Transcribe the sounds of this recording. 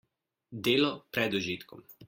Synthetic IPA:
d̪eːlɔpɾɛd̪ɔʒiːt̪kɔm

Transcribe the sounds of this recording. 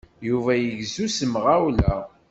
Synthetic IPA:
juvæjəʝzusəmʁæwlæ

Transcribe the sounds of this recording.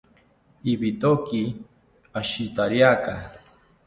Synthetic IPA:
ibit̪oki | aʃit̪aɾjaka

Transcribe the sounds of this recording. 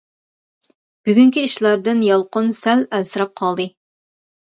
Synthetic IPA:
b̥yɡʲyŋkʲiiʃlˠɑɾd̪ɨnjɑlˠqʊnsælælsɨɾɑp̚qʰɑlˠd̪ɨ

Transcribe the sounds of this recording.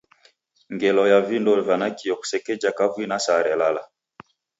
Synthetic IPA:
ŋɡɛlɔjavindɔlvanakiɔku̥sɛkɛd͡ʒakavwinasaɾɛlala

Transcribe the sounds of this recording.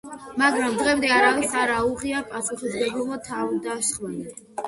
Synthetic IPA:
maɡɾamd̪ʁɛmd̪ɛaɾavisaɾauʁiapʼasuχisɡɛblˠɔmɔt̪ʰavd̪aʃχwɛnɛ

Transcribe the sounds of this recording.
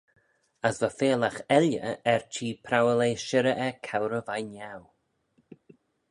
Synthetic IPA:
əsvəfeːləxɛljə̰ɛɹt͡ʃʰiːpʰɾawəleːʃɪɾəʔɛkʰawɾəvajnaw

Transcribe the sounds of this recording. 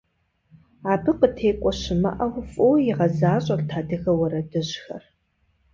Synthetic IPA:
aːbɨqətʰeːkʷʼɔɕɪmɐ̰ʔɐwʊfʼojɪʁɐzaːɕʼɐrtʰaːdɨɣɐwɐɾɐdɨʑxɐ̰r

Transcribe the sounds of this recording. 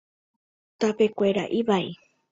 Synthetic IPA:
t̪apekʷeɾa̰ʔiβai

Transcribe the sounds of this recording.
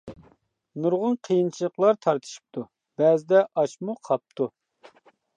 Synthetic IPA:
nuɾʁʊnqʰəjint͡ʃʰilˠəqlˠɑɾt̪ʰɑɾt̪ʰɨ̥ʃi̥p̚t̪ʰu | b̥ɛzɪd̪ɛʔɑʃmuqʰɑp̚t̪ʰu

